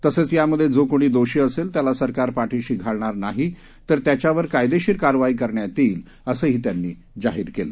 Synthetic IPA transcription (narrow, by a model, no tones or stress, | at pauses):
t̪əsət͡sjaməd̪ʱːjed͡zokoɽ̃iːd̪oɕiːəselt̪jalasəɾkaɾpaʈʰeɕiɡʱaɭɳ̃aɾnaɦi | t̪əɾt̪jat͡ɕaʋəɾkajd̪eɕiːɾkaɾʋaiːkəɾɳjat̪iːl | əsəːɦiːt̪janːiː | d͡zaɦiːɾkelə